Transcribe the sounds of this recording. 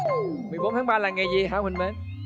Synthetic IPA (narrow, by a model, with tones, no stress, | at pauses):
mɨ˨˩əjɓo˨˦nt̪ʰːɓaː˧laː˨˩ŋɛ˨˩jzi˨˩ɦaː˧˦whï˨˧˩ŋ̟me˨˦n